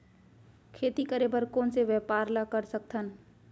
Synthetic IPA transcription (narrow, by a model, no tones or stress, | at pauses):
kʰeːt̪ikəɾebəɾkoːnseʋɛpaːɾlakəɾsək̚t̪ʰən